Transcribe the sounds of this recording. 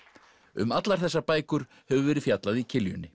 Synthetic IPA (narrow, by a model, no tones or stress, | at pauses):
ʏmat̪laɾ̥θɛsːapaːjkʏɾ̥ | hɛvʏvɛːɾɪfjat̪laðicʰɪljʏnːɪ